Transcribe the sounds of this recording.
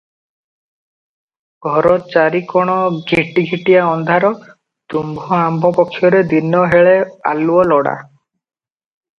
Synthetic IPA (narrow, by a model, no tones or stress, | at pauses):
ɡʱɔɾɔt͡ʃaɾikɔɽ̃ɔɡʱiʈiɡʱiʈijaɔnd̪ʱaɾɔ | t̪umbʱɔambʱɔpɔkʰːjɔɾed̪inːɔɦeɭea̰luɔlɔɽa̰